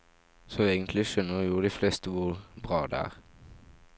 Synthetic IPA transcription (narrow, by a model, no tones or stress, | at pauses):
sɔeːɡənt̪lɪʃœnːəʁjuːʁəd̪iːflest̪əʋʊʁbʁɑːd̪ɛ̰æ̰ːʁ